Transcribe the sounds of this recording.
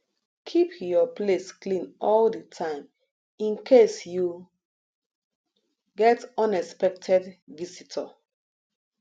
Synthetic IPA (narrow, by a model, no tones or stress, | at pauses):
kʰipjɔplesklĩnɔldətʰãɪ̃m | ĩnkʰesju | ɡɛtɔ̃nɛspɛk̚tʰɛdvisitʰɔ